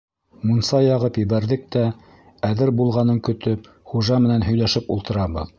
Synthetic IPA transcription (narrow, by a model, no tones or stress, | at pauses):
munsɑjɑʁɤpjɘ̆βæɾðɘk̚t̪æ | æðɘɾbulˠʁɑnɤŋkɵ̆t̪ɵp | χuʒɑmɘ̆nænɦɵ̆jlæʃɘpṵlˠt̪ɤ̆ɾɑβɤ̰ð